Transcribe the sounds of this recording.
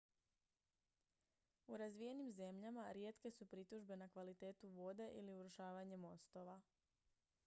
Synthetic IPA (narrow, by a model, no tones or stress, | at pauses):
uɾazʋije̞nimze̞mʎamaɾje̞ːt̪ke̞supɾit̪uʒbe̞nakʋalit̪e̞ːt̪uʋo̞ːd̪e̞ʔiliuɾuʃaːʋaɲe̞mo̞st̪o̞ʋa